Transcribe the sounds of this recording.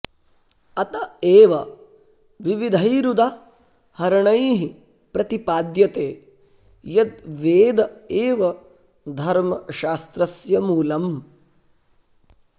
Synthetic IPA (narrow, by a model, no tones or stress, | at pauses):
ɐt̪ɐeːʋɐ | ʋiʋid̪ʱɐjɾud̪a | hɐɾɐɳɐjɦi | pɾɐt̪ipaːd̪jɐt̪eː | jɐd̪̚ʋeːd̪ɐeːʋɐ | d̪ʱɐɾmɐʃaːst̪ɾɐsjɐmuːlɐm